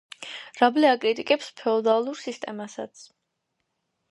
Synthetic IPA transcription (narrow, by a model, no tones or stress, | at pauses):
ɾablɛakʼɾit̪ʼikʼɛpspʰɛɔd̪alˠuɾsist̪ʼɛmasa̰t̪sʰ